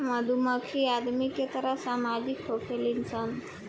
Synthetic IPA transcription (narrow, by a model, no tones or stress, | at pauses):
məd̪ʱuməkʃiad̪miket̪əɾəsamad͡ʒikɦokʰelinsʰən